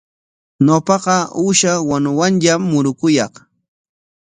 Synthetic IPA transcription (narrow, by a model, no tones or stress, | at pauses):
ɲopɑqɑuʃawanʊwanʎamːʊɾʊkʊjɑχ